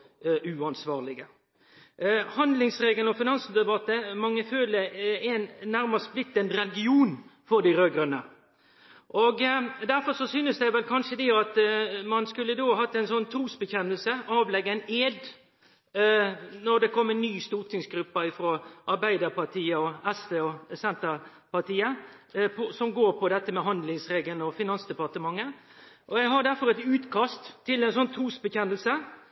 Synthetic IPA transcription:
ʉɑnsʋɑːʁlɪɡə | hɑnd̪lɪŋsɾeːɡəlɔfɪnɑnsəd̪ɛbɑt̪ːəmɑŋːəføːləɛnːæɾməsblɪt̪ːənɾɛlɪɡɪuːnfɔɾd̪ɪɾøːɡɾənə | ʔoːɡd̪æɾfɔɾʂɔsyːnəsd̪æɪʋɛlkʰɑnʂəd̪ɛɑt̪mɑnskʉlːəd̪oːɦɑt̪ːæɪnsɔnːt̪ʰɾuːsbəçɛnːəlsəʔɑːʋlɛɡːəɛɪneːd̪ | nɔɾd̪ɛkʰɔmːənːyːst̪uːʁt̪ɪŋsɡɾʉpːɑɪfɾoːʔɑɾbæɪd̪əɾpɑt̪ʰiːəɔɛst̪eːɔsɛnt̪əɾ | pɑt̪iːə | pʰɔsɔmɡoːɾpʰɔd̪ɛt̪ːəmɛɦɑnd̪lɪŋsɾeːɡəlnɔfɪnɑnsd̪ɛpɑʁt̪əmɑŋːə | ʔɔjæɡɦɑɖ̪æɾfɔɾɛt̪ʉːt̪kʰɑst̪ʰːɪlːɛnsɔnt̪ʰɾuːsbəçɛnːəlsə

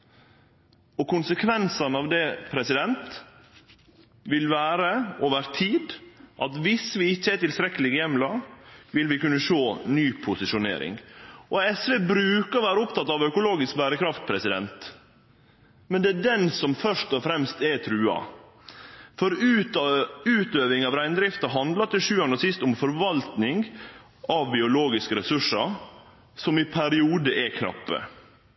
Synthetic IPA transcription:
ɔkʊnsəkʰʋɛnsɑnɑʋd̪ɛpʰɾɛsɪd̪ɛnt̪ | ʋɪlʋæːɾəoːʋəɾt̪ʰiːd̪ʔɑt̪ʋɪsʋɪɪçːəɛt̪ɪlst̪ɾɛkːəlɪɡjɛmːlɑʋɪlʋɪkʉnːəʃoːnyːpʰʊsɪʂʊnḛːɾɪ̰ŋʔɔɛsʋeːbɾʉːkɑɾʋæːɾəʊpt̪ɑt̪ːɑʋœkʊloːɡɪsk̚bæːɾəkʰɾɑft̪̚pʰɾɛsɪd̪ɛ̰nt̪ | mɛnd̪ɛæɖɛnsɔmfœʂʈɔfɾɛmst̪ɛt̪ʰɾʉːɑ̰ | fɔɾʉ | ʉːt̪øːʋɪŋɑʋɾæɪnəd̪ɾɪft̪ɑɦɑnd̪lɑt̪ɪʂʉːɑnɔsɪst̪ʊmfɔɾʋɑlt̪nɪŋ | ɑʋbɪʊloːɡɪskəɾɛsʉʂːɑ | sɔmɪpʰæɾɪuːd̪əʔɛkʰnɑ̰pːə̰

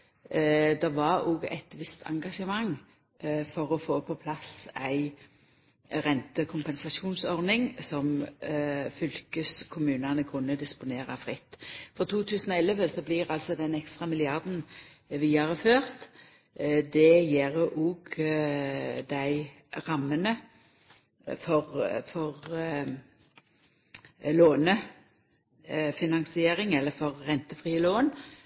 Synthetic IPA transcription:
d̪ɑʋɑɾuːɡɛ̰t̪ʋɪst̪ʰɑ̰ŋɡɑʂəmɑŋ | fɔɾɔfoːpʰɔpʰlɑsæɪ | ɾɛnt̪əkʰʊmpɛnsɑʃuːnsɔɾnɪŋsɔm | fʏlkəskʰʊmʉːnɑnəkʰʊnːəd̪ɪspʊneːɾɑfʁɪt̪ːfɔʁt̪ʰuːt̪ʰʉːsən̩ɔɛlːəʋəsɔblɪɾɑlsɔd̪ɛnɛkst̪ʁɑmɪlɪɑɾd̪n̩ʋiːɑʁəføːʁt̪ | d̪ɛjeɾəʔuːɡ | d̪æɪ | ʁɑmːənə | fɔʁfɔʁ | loːnə | fɪnɑŋsɪeːɾɪŋɛlːəfɔʁːɛnt̪əfʁiːəloːn

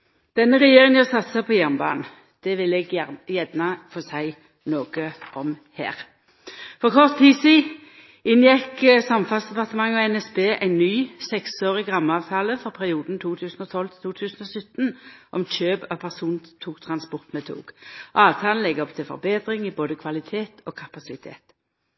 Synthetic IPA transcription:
d̪̥ɛnːəʁɛjeːʁɪŋənɑsɑt̪səpʰɔjæʁnbɑ̰ːnn̩ | d̪̥ɛʋɪlɛɡæjɛd̪nɑfɔsæɪ | noːɡ̥əʔɔmhæ̰ːʁ | fɔʁkʰɔʁt̪ʰtːiːsiː | ɪnjɛksɑmfɑlsd̪ɛpɑʁt̪əmɑŋːɑɛnɛsbeːʔæɪnːyːsɛksoːʁɪɡʁɑmːɑːʋt̪ʰɑːləfɔʁpʰæʁɪuːd̪n̩t̪ʰuːt̪ʰʉːsn̩ɔt̪ʰɔlt̪ʰɪ̥t̪ʰuːt̪ʰʉːsn̩ɔsʏt̪nʔɔmt͡ʃøːbɑpʰæʁsuːnt̪ʰuːkt̪ʰʁɑnspɔʁt̪mɛt̪ʰṵːɡ̥ɑːʋt̪ʰɑːln̩lɛɡːɔpt̪ʰɪlfɔ̰ʁbeːd̪ʁɪŋɪboːd̪əkʰʋɑlɪt̪ʰeːt̪ʰoːkʰɑpɑsɪt̪ʰḛːt̪

